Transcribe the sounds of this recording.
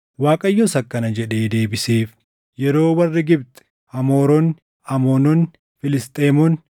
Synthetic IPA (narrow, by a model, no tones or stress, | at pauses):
waːkʼɐjːɔsɐkːɐnɐd͡ʒɛᶑe̞ːd̪e̞ːbɪseːf | jɛɾo̞ːwɐrːɪɡɪbt̪ɛ̥ | hɐmo̞ːɾɔn | ɐmoːnɔn | fɪlɪst̪ʼeːmɔn